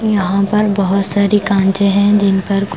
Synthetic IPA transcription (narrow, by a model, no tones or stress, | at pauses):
jɐɦãpɐɾbɐɦʊt̪saːɾikãːɳt͡ʃẽɦɛ̃d͡ʒɪnpɐɾk